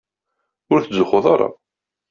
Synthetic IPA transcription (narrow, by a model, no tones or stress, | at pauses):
ʊɾθəzʊχoðˤɑɾˤɑ̰